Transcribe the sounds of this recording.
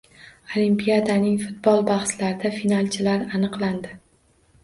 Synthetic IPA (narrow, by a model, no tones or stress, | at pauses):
olimpijad̪anɪŋfʊt̪̚bɒlˠbaχslaɾɪd̪afinalˠt͡ʃʰɪlaɾanɨqlˠand̪ɪ